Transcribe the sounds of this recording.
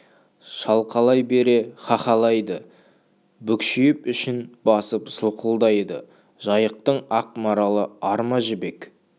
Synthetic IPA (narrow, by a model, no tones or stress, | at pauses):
ʃɑlˠqɑlˠɑjbe̞ɾe̞χɑχɑlˠɑjd̪ə | bʏkʃɪjɪpʏʃɪnbɑsəpsəlˠqəlˠd̪ɑjd̪ə̰ | ʒ̥ɑjəq̚t̪əɴɑq̚mɑɾɑlˠəɑɾmɑʒɪbe̞k